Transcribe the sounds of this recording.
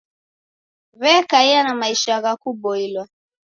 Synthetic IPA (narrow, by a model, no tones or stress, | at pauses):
βɛkaianamaiʃaɣakuɓɔilwa